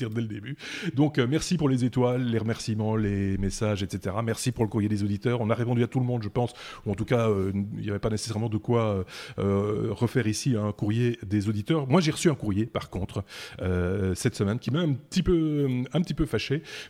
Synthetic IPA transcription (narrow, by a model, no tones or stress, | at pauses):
t̪iʁd̪ɛləd̪ebyd̪ɔ̃kømɛʁsipuʁlezet̪walːeʁəmɛʁsimɑ̃lːemesaʒɛt̪set̪eʁamɛʁsipuʁləkuʁjed̪ezod̪it̪œːʁɔ̃naʁepɔ̃d̪yat̪ulmɔ̃d̪ʒəpɑ̃suɑ̃t̪ukaøḭljavɛpanese̥sɛʁmɑ̃d̪əkwaøøʁəfɛʁisiɛ̃kuʁjed̪ezod̪it̪œːʁmwaʒeʁəsyɛ̃kuʁjepaʁkɔ̃t̪χøsɛt̪səmɛnkʲimaɛ̃pt̪ipøɛ̃pət̪ipøfaʃe